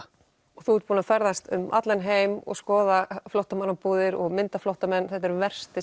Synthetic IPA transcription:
ɔɣθuuːt̪puːnafɛɾðast̪ʏ̰mʔa̰t̪lɛnɦeːjmɔ̰ɣskɔːðaflowht̪amanapuːðɪɾɔɣmɪnt̪aflowht̪amɛnːθɛht̪ɛɾvɛr̥st̪ɪ

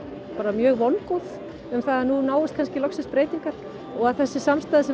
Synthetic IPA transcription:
paːɾamjœːɣvɔnkɔθ | ʏmθaðanunaːwɪst̪kʰanscɪlɔksɪspɾeːjt̪iŋkaɾ̥ | ɔɣaðθɛsːɪsamst̪aðɪsɛ

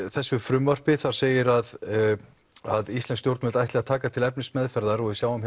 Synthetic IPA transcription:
θɛsːʏfɾʏmvœr̥pɪθaɾ̥seːjɪɾað | aðist̪lɛnst̪jowɾt̪mɛlt̪ajht̪lɪɣaðt̪ʰaːkat̪ʰɪlɛp̚nɪsmɛðfɛɾðaɾɔɣðɪsjaːwam

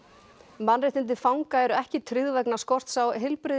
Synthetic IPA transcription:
manrɪjt̪ɪnt̪̬ɪfawŋkaɛɾʏɛhcɪt̪ʰɾʏðvɛknaskɔr̥t̪sawɦɪlpɾɪ

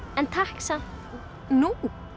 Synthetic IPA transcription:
ɛnt̪ʰahksa | nu

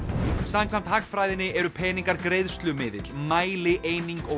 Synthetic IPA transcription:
samkʰvam̥t̪hakfɾaːjðɪnɪʔɛɾʏpʰɛːnĩŋkaɾkɾejðst̪lʏmɪːðɪt̪l̥maːjlɪʔeːjniŋkɔ

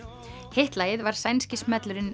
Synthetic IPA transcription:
heht̪laːjɪðvaɾ̥sajnscɪsmɛt̪lʏɾɪn

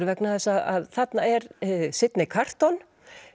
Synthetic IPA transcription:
ɾvɛknaθɛsːaða̰ðθat̪naɛɾsɪt̪nɪkʰar̥t̪ɔn

